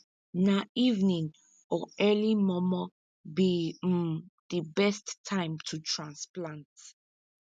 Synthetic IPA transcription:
naʔivnĩŋ | ɔɛlimɔmɔ | bi | dibɛstʰːãɪ̃mtʰutʰɹãnsplãnt

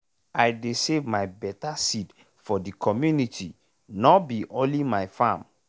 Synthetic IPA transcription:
ajdesevmajbɛtasit | fɔdikʰɔmjunitʰi | nɔbiʔõnlimajfãm

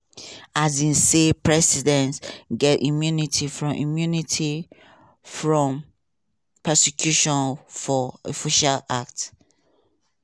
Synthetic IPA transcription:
azĩnsepɹɛsidɛ̃ntɡɛtimjunitʰifɹɔ̃mʔimjunitʰi | fɹɔ̃m | pʰɛsikʰjuʃɔ̃nfɔofiʃalak̚t

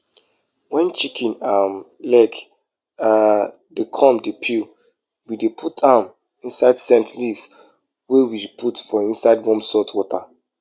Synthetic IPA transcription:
wɛ̃nt͡ʃikʰĩnam | lɛk | a | bikʰɔ̃mdepʰil | widepʰutãm | ĩnsaɪdsɛ̃ntlif | wɛwidpʰutfɔĩnsaɪdwɔ̃msɔtwɔtʰa

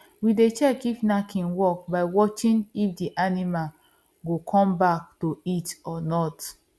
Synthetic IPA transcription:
widet͡ʃɛkivnakʰĩnwɔk̚baɪwɔt͡ʃĩnifdiʔanimal | ɡokʰɔ̃mbak̚toitɔnɔt

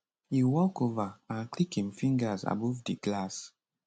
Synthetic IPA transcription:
hiwɔkovaãnklikhĩmfĩŋɡəza̰bɔvdiɡlas

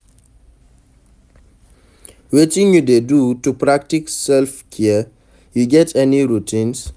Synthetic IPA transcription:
wetĩŋjudedutupɹak̚tiksɛlfkʰɛə | juɡɛtʰɛniɹutʰĩns

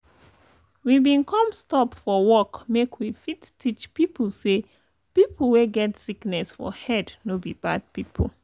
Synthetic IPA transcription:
wibĩnkʰʌ̃mstɔpfɔwɔkmekʰwifittʰit͡ʃpipl̩ˠse | pipʰl̩ˠweɡɛtsiknɛsfɔ̰hɛdnobib̥a̰d̚pipʰl̩ˠ

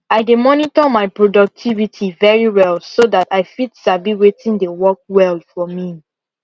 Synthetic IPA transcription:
aɪdemɔnitɔmaɪpɹodɔk̚tʰivitʰivɛɹiwɛlsodataɪfitsabiwetʰĩndewɔk̚wɛlfɔmi

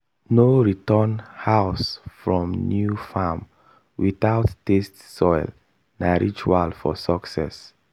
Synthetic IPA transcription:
noɹitənhaʊsfɹɔ̃mnjufam | wiθaʊtːestsɔɪl | naɹit͡ʃualfɔ̰sɔksɛ̰s

